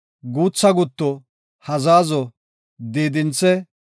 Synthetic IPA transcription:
ɡuːt͡sːɐɡʊt̪ːɔ | hɐzaːzɔ | d̪iːd̪ɪnt͡sːɛ

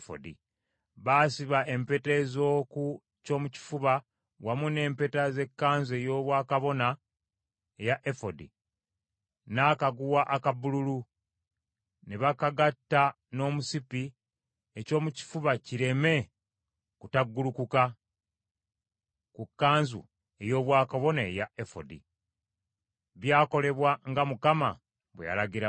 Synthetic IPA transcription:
fo̰dḭ | βaːsiβaʔe̞mpe̞te̞zo̞ːku | co̞ːmuci̥fuβa | wamune̞ːmpe̞taze̞kːaːnze̞jo̞ːβwaːkaβo̞na | ejaʔefodḭ | nakaɡuwaʔakabululu | neβakaɡatːa | no̞ːmusipi | eco̞ːmuci̥fuβaciɾe̞me̞ | kutaɡːulukuka | kukːaːnzṵ | e̞jo̞ːβwaːkaβo̞naejaefo̞̰dḭ | βjaːko̞le̞βwaŋɡamukama̰ | βwḛja̰laɡiɾa

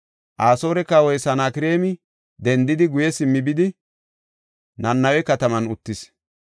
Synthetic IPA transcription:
ʔaːso̞ːɾɛkːawɔjsɐnaːkɪɾe̞ːmɪ | d̪ɛnd̪ɪd̪ɪɡʊjɛsɪmːɪbɪd̪ɪ | nɐnːɐwɛkɐt̪ɐmɐnʊt̪ːɪs

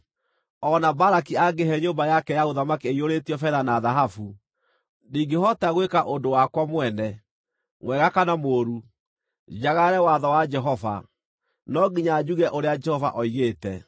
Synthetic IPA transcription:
ɔnabaɾakiaɡeɦɛɲombajakɛjaɣoðamakeeioɾetiɔfɛɾanaðaɦafu | niːɡeɦɔtaɣwekaʔondowakwamwɛnɛ | ŋwɛɣakanamoːɾu | d͡ʒaɣaɾɛwaðɔwad͡ʒɛɦɔva̰ | nɔɡiɲad͡ʑuɣɛʔoɾead͡ʒɛhɔva̰ʔɔiɣeːtɛ

